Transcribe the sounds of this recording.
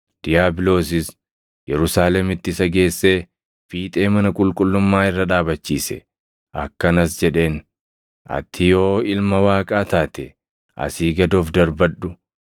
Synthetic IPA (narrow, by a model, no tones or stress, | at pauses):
d̪̥ɪjaːbɪlo̞ːs̬ɪs | jɛɾʊsaːlɛmɪt̪ːɪsɐɡe̞ːsːe̞ː | fiːt̪ʼe̞ːmɐnɐkʼʊlkʼʊlːʊmːaːɪrːɐᶑaːbɐt͡ʃːiːsɛ̰ | ʔɐkːɐnɐsd͡ʒɛᶑe̞ːn | ʔɐ̰t̪ʰːɪjo̞ːɪlmɐwaːkʼaːt̪aːt̪ɛ | ʔɐ̰siːɡɐd̪oːfd̪ɐɾbɐᶑʊ